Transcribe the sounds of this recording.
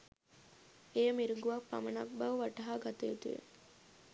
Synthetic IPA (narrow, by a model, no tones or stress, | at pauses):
ejəmiɾuŋɡuʋɐkpːa̰mənak̚bɐʋʋaʈɐɦaːɡat̪ejut̪uʋḛ